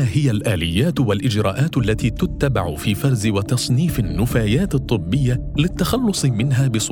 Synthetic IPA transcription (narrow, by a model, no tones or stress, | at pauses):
aːhɪjalʔaːlɪjːaːt̪walʔɪd͡ʒɾˤɑ̰ːʔaːt̪ʔalːat̪iːt̪ʊt̪ːabaʕʊfiːfɑɾˤzɪwat̪ɑsˤniːfanːʊfaːjaːt̪ɨt̪ˤːɨbːɪjːalɪt̪ːaxɑlːʊsˤɨmɪnɦaːbɪsˤ